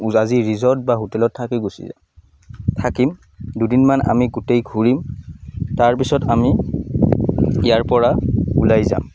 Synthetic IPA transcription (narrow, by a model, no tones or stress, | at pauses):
aziɹizɔt̚baɦotɛlɔtʰːakiɡosḭz | tʰakim | dudinmana̰miɡutejɡʱuɹim | taɹpisɔtami | ijaɹpɔɹaulajza̰m